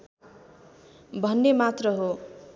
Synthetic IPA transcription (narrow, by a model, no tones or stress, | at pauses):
bʱʌnːemat̪rʌɦo